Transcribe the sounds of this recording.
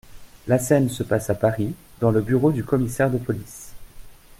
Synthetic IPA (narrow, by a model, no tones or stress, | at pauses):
lasɛnsəpasapaʁid̪ɑ̃ləbyʁod̪ykɔmisɛʁd̪əpɔlis